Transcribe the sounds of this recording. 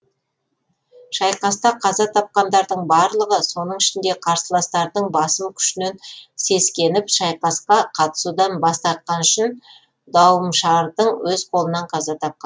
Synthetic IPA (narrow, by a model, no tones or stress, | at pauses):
ʃɑjqɑst̪ɑqʰɑzɑt̪ʰɑp̚qɑnd̪ɑɾd̪əɴbɑɾlˠəʁəso̞nəɴɪʃɪnd̪e̞qʰɑɾsəlˠɑst̪ɑɾd̪əɴbɑsəmkʲʰʏ̥ʃɪne̞nse̞skʲe̞nɪpʃɑjqɑsqɑqʰɑt̪ə̥sud̪ɑnbɑst̪ɑɾt̪̚qɑnʏʃɪn | d̪ɑwəmʃɑɾd̪əɴwɵzqʰo̞lˠənɑɴqʰɑzɑt̪ʰɑp̚qɑn